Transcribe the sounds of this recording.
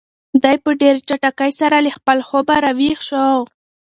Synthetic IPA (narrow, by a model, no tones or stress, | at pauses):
d̪ajpəɖeɾt͡ʃaʈakajsaɾaləxpəlxobaɾawixʃoaw